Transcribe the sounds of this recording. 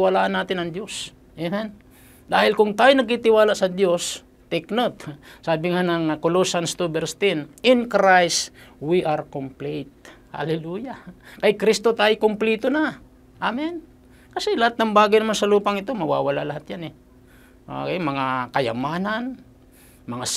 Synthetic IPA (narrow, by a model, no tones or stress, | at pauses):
walaːʔanːaːt̪ɪnɐŋd̪jos | jaman | d̪aːhɪlkʊŋt̪aːjonɐɡ̚kɪt̪ɪwaːlaʔsɐd̪jo̞s | t̪ɛknot̪saːbɪŋanɐŋkolosanst̪ubɛɾst̪ɪnɪnkɾajswiʔaɾkomplit̪̚ha̰lɛlujakɐjkɾist̪ot̪ajkʊmplit̪ona | ʔamɪn | kɐsɛlɐhat̪̚nɐŋbaːɡɐjnɐmansɐluːpɐŋɪt̪o̞mɐwa̰ːwɐla̰ʔlɐhɦat̪̚janɛ | ʔo̰kemɐŋakɐjɐ̰maːnan | mɐŋa